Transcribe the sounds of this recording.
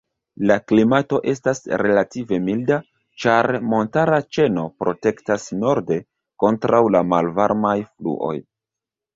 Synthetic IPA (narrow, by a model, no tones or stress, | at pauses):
laklimato̞ʔe̞stasɾe̞lative̞milda | t͡ʃaɾmo̞ntaɾat͡ʃe̞no̞pɾo̞te̞ktasno̞ɾde̞ | ko̞ntɾawlamalvaɾmajflṵʔo̞̰j